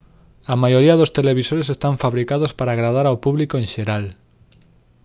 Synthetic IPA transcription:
amajoɾiɐðost̪eleβisoɾesest̪aɱfaβɾikað̞ospaɾaːɣ̞ɾað̞aɾawpuβlikoẽnʃeɾal

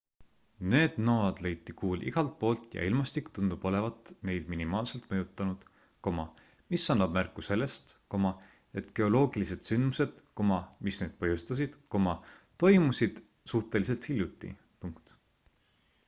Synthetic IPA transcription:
ne̞ːd̪̥noːɑd̪̥le̞jt̪ːˑikuːlḭɡ̥ɑlt̪̚po̞ːlt̪ˑjɑ̰ilmɑst̪ikt̪und̪̥ub̥o̞le̞vɑt̪ˑne̞jd̪̥minimɑːlse̞lt̪mɤ̞jut̪ːˑɑnud̪̥ | ko̞mɑ | misːɑnːɑb̥̚mærkːˑuse̞lːe̞st̪ko̞mɑ | e̞t̪ːˑke̞o̞lo̞ːɡ̥ilise̞d̪̥synmuse̞d̪̥ko̞mɑmisne̞ːd̪̥pɤjust̪ɑs̬id̪̥ko̞mɑt̪o̞jmusid̪̥ | suht̪e̞lis̬e̞lt̪hilʲjut̪ːˑḭ | puŋkt̪

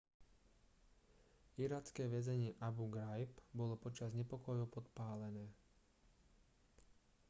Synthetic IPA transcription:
iɾaːt͡skɛːʋɛzɛɲɪɛʔabuɡɾajpbɔlɔpɔt͡ʃazɲɛpɔkɔjupɔt̪paːlɛnɛː

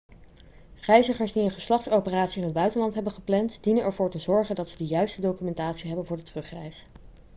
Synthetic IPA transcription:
rɛjzəχəɹsdiənχəslɑχtsowpəraːtsiɪnəd̚bœɥtənlɑntɦɛbənχəplɛntdinənɛɹvʊːɹtəzɔɹχəndɑtsədəjœɥstədowkymɛntaːtsiɦɛbənvʊːɹdətrɵχrɛjs

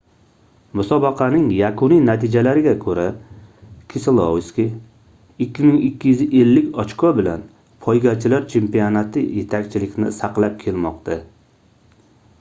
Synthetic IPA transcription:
mʊsɒbɑqʰɑnɪŋjakʰʊnijnat̪ʰɪd͡ʒalaɾɪɡʲakʰɵɾa | kʲʰɪsɪlˠowskʲi | ɪkʲːɪmɪŋɪkʲʰːijyzʔe̞lːɪkʲɒt͡ʃkʰɒbɪlan | pʰɒjɡʲat͡ʃʰɪlaɾt͡ʃʰe̞mpijonat̪ʰɪje̞t̪ʰakʲt͡ʃʰɪlɪkʲnɪ̰saqlˠap̚kʲʰelmɒqt̪ʰa

